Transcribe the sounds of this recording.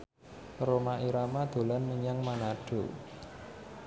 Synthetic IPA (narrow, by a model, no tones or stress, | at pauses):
ɾomaʔiɾamad̪̥o̤lanməɲaŋmanaɖ̥o̤